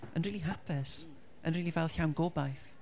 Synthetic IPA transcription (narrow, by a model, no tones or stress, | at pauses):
ʔə̰nriːlˠiɦapʰɪs | ʔə̰nriːlˠivɛlˠɬawnɡɔbajθ